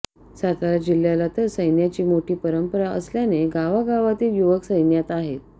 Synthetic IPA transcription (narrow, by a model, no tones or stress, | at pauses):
sat̪aɾad͡ʑil̤jalat̪əɾsəjnjat͡ɕiːmoʈiːpəɾəmpəɾaʔə̰sljaneɡaʋaɡaʋat̪iːljuʋəksəjnjat̪aɦet̪̚